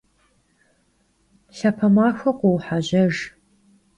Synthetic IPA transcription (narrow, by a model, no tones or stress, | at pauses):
ɬɐpʰɐmaːxʷɐqʷʊwħaʑɐʒ